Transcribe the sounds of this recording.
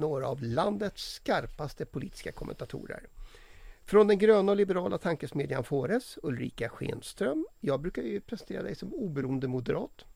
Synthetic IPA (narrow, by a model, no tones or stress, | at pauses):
noːɾa̰ːvland̪ət̪skaɾpast̪əpʰʊlḭːt̪ɪ̥skakʰɔmɛ̰nt̪at̪ʰṵːɾə̰ɾ | fɾɔnd̪ɛnɡɾøːnaɔlɪbɛɾɑːlʔat̪ʰaŋkəsmeːd̪janfoːɾɛsɵlɾḭːkaɧḛːnst̪ɾœmjɑːɡbɾʉːkajɵpʰɾɛsɛnt̪ʰeːɾa̰d̪ɛ̰jsɔmuːbɛɾuːənd̪əmʊd̪əɾɑːt̪